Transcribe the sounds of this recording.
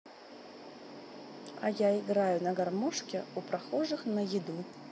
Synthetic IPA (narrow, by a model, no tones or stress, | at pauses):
ɐ̰jaiɣɾajunɐɣarmɔʂkʲɛupɾaxɔʐɨxnɐjid̪u